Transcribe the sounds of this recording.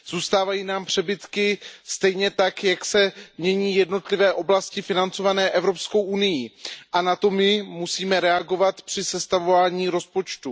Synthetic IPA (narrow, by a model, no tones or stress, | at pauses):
z̥uːst̪aːvajiːnaːmpr̝̥ɛbɪt̪kɪst̪ɛjɲɛt̪akjaksɛmɲɛɲiːjɛdno̞t̪lɪvɛːʔo̞blascɪfɪnant͡so̞vanɛːʔɛvɾo̞psko̞wʔunɪjiʔanat̪o̞mɪmusiːmɛɾɛaɡo̞vat̪pr̥ɪsɛst̪avovaːɲiːɾo̞spo̞t͡ʃt̪u